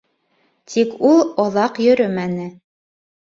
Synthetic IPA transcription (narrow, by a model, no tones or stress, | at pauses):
t̪ʰikulˠɑðˠɑqjɵ̆ɾɵmænɘ